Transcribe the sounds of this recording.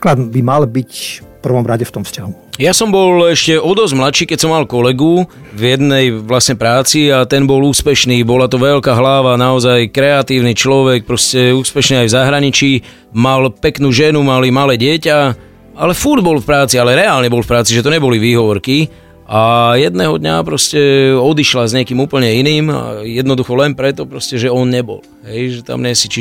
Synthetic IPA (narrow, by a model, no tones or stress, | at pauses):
klad̪bimalbicfpr̩ʋɔmɾaɟɛft̪ɔmfscaɦujasɔmbɔlɛʃcɛɔd̪ɔzmlat̪ʃiːkɛcsɔmːalkɔlɛɡu | vjɛd̪nɛjʋlasɲɛpɾaːt͡siat̪ɛnbɔluːspɛʃniːbɔlat̪ɔʋɛʎkaɦlaʋanaɔzajkɾɛat̪iːʊnit͡ʃlɔʋɛk̚pɾɔscɛuːspɛʃniajvzaɦɾaɲit͡ʃiː | malpɛknuːʒɛnumalimalɛːɟɪɛca | alɛfuɾd̪bɔlfpɾaːt͡sialɛɾɛaːlɲɛbɔlfpɾaːt͡siʒɛt̪ɔɲɛbɔliʋiːɦɔʋɔɾki | ajɛd̪nɛːɦɔd̪ɲa̰pɾɔscɛɔd̪iʃlazɲɪɛkimuːpl̩ɲɛiniːma̰jɛd̪nɔd̪uxɔlɛnpɾɛt̪ɔpɾɔscɛʒɛɔnɲɛbɔ̰l | ɦɛjʒɛt̪a̰mɲɛsit͡ʃi